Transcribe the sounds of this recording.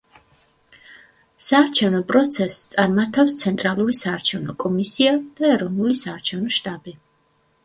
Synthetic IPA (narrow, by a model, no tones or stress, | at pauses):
saːɾt͡ʃʰɛvnɔpʼɾɔt̪sʰɛst̪sʼaɾmaɾt̪ʰafst̪sʰɛnt̪ʼɾalˠuɾisaːɾt͡ʃʰɛvnɔkʼɔmisiad̪̥aɛɾɔvnulisaːɾt͡ʃʰɛvnɔʃt̪ʼabi